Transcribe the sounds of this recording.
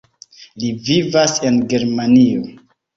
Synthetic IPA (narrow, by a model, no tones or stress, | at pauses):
livivase̞nɡe̞ɾmanio